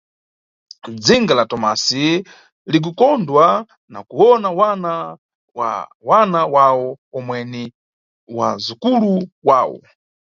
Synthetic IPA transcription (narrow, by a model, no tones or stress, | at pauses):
d͡ziŋɡalatɔmasi | lik̬ukɔndwa | na̰kuɔnawana | a | wanawawɔ | ɔmwɛni | wa̰zukuluwaːwɔ̰